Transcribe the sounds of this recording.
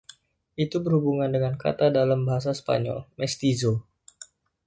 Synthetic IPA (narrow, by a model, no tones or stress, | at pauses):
ʔit̪ubərhubuŋandəŋanka̰t̪adalambaɦas̬asə̥pa̰ɲɔ̰lmɛst̪izo